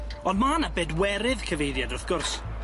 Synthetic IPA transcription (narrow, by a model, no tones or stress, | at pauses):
ɔndmaːnabeːdwɛɾɪðkʰəvejðjadʊrθɡ̥ʊrs